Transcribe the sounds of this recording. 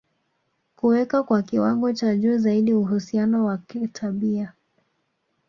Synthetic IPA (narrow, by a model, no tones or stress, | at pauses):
kuwɛkakwakiwaŋɡɔt͡ʃaʄuːzaiɗiuɦusianɔwakitʰaɓia